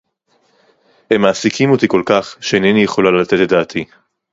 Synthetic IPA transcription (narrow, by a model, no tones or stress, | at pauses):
hemːaːsikʰimot̪iko̞lkaχʃeenenijeχo̞lalat̪etled̪aːt̪ʰi